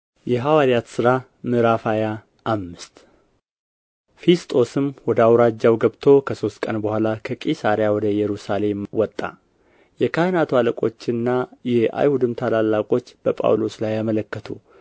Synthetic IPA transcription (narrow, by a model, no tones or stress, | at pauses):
jɛɦawaɾijat̪sɨɾa | mɨɾafaja | ʔːmːɨst̪ | fest̪ʼʰo̞sɨmwɔd̪əawɾad͡ʒːawɡəβt̪ʰo̞kʰəso̞st̪kʼənbəhʷalakʰəkʼisaɾjawɔd̪əjɛɾusale̞mwɔt̪ʼːa̰ | jɛkʰahnat̪waləkʼo̞̰t͡ʃːɨnːajɛa̰jhud̪ɨmt̪ʰalalːakʼo̞t͡ʃːb̥əpʼa̰wlo̞slajːamələkːət̪ʰu